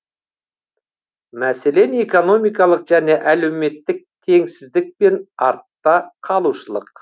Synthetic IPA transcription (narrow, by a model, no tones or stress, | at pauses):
mæse̞le̞neko̞no̞mijkɑlˠəqʒæne̞ʔæle̞wme̞t̪ːɪk̚t̪ʰe̞ŋsɪzd̪ɪk̚pe̞nɑɾt̪ːɑqʰɑlˠuʃəlˠə̰q̚